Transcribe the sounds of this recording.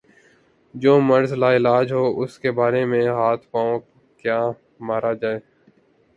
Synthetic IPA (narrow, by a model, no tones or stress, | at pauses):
d͡ʒoːməɾzlaːɪlaːd͡ʒɦoːʔʊskeːbaːɾeːmẽːɦaːt̪ʰpaːõ | kjaː | maːɾaːd͡ʒaːeː